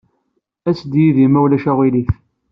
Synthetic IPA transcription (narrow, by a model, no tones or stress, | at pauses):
æsd̪jiðimæwlæʃæwiliθ